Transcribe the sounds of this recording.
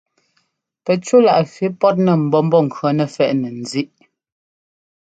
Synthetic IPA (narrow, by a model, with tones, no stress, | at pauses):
pɛ˨t͡ʃu˦la˨ʔfi˦pɔ˦t̬̚nɛ˨m̩˨bɔ˦m̩˦bɔ˦˨ŋ̩˨kɰɔ˨˦nɛ˨fɛ˨ʔnɛ˨n̩˨zi˦ʔ